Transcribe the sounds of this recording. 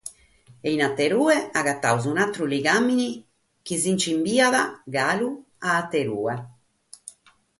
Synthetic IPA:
ɛinat̪ːeɾuːɛaɣat̪ːa̰wzunat̪ːɾuliɡamːini | k̟izint͡ʃimbiːaðaɡaːlu | aːt̪ːeɾuːɛ

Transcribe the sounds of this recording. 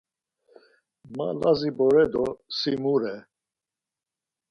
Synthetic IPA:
ma̰lazibɔɾɛd̪ɔsimuɾɛ

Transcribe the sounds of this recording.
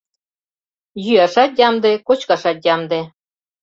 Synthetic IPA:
jyæʃɑt̪̚jɑmd̪ekot͡ɕkɑʃɑt̪̚jɑmd̪e

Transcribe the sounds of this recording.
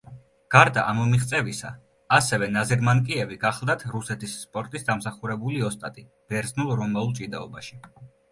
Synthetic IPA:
ɡ̥aɾd̪aʔamɔmiχt̪sʼɛvisa̰ː | sɛvɛnazɛɾmankʼiɛviɡaχlˠd̪at̪ʰɾusɛt̪ʰisːpʼɔɾt̪ʼisd̪amsaχuɾɛbuliɔst̪ʼat̪ʼi | b̥ɛɾznulˠɾɔmaulˠt͡ʃʼid̪aɔbaʃi̥

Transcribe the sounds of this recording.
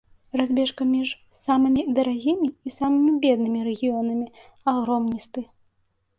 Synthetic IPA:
razʲbʲɛʂkɐmʲiʐ | samɨmʲid̪ɐɾaɣʲimʲiːsamɨmʲibʲɛd̪̚nɨmʲiɾɛɣʲijɔnɐmʲi | aɣɾɔmnʲist̪ɨ

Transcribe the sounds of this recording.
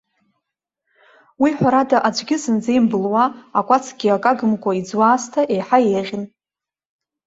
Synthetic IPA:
wiħʷaɾatʼaʔad͡ʒʷɡʲɪsɨnd͡zejmbɨlwaːkʷʼat͡sʰɡʲiakʼaɡɨmkʷʰʼaid͡zwaːstʰaʔejħajeʁʲɪn

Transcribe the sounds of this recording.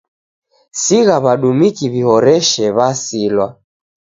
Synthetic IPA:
siɣaβaɗumikiβihɔɾɛʃɛβasilwa

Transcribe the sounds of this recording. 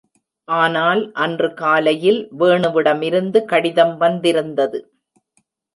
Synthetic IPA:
ʔaːnaːlʔɐndrɯkaːlɐjɪlʋeːɳɯʋɪɽɐmɪɾɯnd̪ɯkɐɽɪðɐmʋɐnd̪ɪɾɯnd̪ɐðɯ

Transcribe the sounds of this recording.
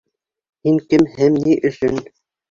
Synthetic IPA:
hiŋkɘ̆mhɘmniʔɵ̆ʃɘn

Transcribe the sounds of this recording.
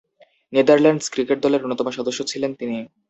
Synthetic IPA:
ned̪aɾlaɳɖskɾikeʈ̚d̪ɔleɾonːot̪ɔmoʃɔd̪oʃːot͡ɕʰilent̪ini

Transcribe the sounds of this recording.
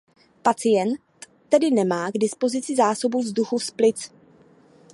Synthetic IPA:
pat͡sɪjɛnt̪ːɛdɪnɛmaːɡdɪspo̞zɪt͡sɪzaːso̞buvzduxufsplɪt͡s

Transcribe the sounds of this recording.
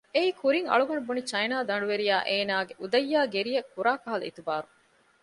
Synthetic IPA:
eiːkʰuɾiŋɐ̰ɭuɡɐnubunit͡ʃɐjnaːd̪ɐɳɖuʋeɾijaːʔeːnaːɡeʔud̪ɐjːaːɡeɾijɐkːuɾaːkɐɦɐlṵḭt̪ubaːɾu

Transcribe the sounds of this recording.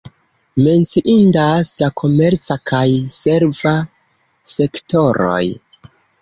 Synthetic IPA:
me̞nt͡siʔindaslakʰo̞me̞ɾt͡sakʰajse̞ɾva | se̞kto̞ɾo̞̰j

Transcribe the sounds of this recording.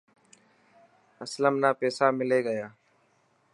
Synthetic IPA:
əsləmnaːpɛːsaːmɪleːɡəjaː

